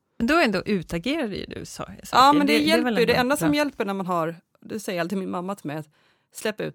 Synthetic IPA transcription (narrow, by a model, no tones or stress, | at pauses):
mɛnd̪ɔɾɛnd̪oʔʉ̟ːt̪aɡeːɾad̪ə̰j̰d̪ʉ̰sɑ̰sɑːmɛnd̪ɛjɛɛləjɵd̪ɛɛnd̪asɔmjɛlpəɳæɾmanɦaɾ | d̪ɛsɛjːəɾalt̪ʰːɪlmɪnmamːat̪ʰɪlmɛjat̪ | slɛpːaʉ̰ːt̪